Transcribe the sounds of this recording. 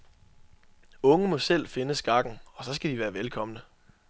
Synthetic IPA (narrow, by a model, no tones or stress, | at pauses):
ɔ̽ŋəmɒ̽sel̰fe̝nəsɡ̥ɑ̈ɡ̥n̩ɒ̽sɒ̽sɡ̥æd̥iʋæːɐʋelkʰɒ̽mənə